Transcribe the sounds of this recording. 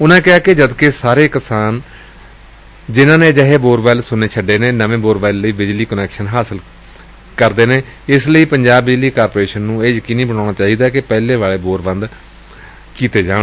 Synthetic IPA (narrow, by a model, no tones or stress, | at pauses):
ʊnãːkɪaːkɪd͡ʒəd̪keːsaːɾeːkəsaːn | d͡ʒɪnãːnẽːd͡ʒəɦeːboːɾbɛːlsʊnːeːt͡ʃʰəɖːeːneːnəʋẽːboːɾʋɛːlləiːbɪd͡ʒliːkənɛːkʃənɦaːsəl | kəɾd̪eːneː | ɪsləiːpəɲd͡ʒaːbːɪd͡ʒliːkaːɾpɾeːʃənːũːeːjəkiːnĩːbəɽ̃aːɽ̃aːt͡ʃaːɦiːd̪aːkɪpɛːlẽːʋaːɭeːboːɾbənd̪ | kiːt̪eːd͡ʒãːe